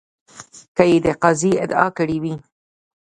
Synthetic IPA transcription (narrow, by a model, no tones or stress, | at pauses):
kəjed̪əqɑziɪ̰d̪ɑ̰kəɽiwi